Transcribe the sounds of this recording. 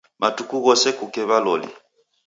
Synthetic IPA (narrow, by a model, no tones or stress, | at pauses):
matukuɣɔsɛkukɛβalɔlḭ